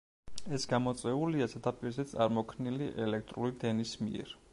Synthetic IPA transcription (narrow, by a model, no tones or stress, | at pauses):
ɛsɡamɔt̪sʼɛuliasʰat̪ʰapʼiɾzɛt̪sʼaɾmɔkʰniliʔɛlɛk̚ʰt̪ʼɾuɾid̪ɛnismḭɛ̰ɾ